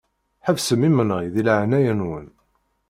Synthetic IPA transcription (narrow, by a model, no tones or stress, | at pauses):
ħəvsəmːimənʁiðilʕnæjənwən